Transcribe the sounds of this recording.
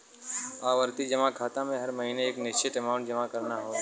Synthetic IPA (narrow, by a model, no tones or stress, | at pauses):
aːʋəɾt̪id͡ʒɐmakʰaːt̪amẽɦɐɾmɐɦineeːknɪt͡ʃeʈɐmaːʊɳʈ̚d͡ʒɐmakɐɾnaɦoː